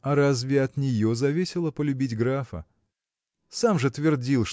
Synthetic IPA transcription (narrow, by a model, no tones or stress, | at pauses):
ɐɾazvʲɪɐt̪nʲɪjozɐvʲisʲɪlˠəpəlʲʉbʲitʲɡɾafə̰ | samʐɨt̪vʲɪrdʲilˠʂ